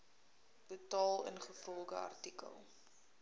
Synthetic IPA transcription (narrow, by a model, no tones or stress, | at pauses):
b̥ətɑːlˠə̰nχəfrɔlɡəɐ̰rtikə̰lˠ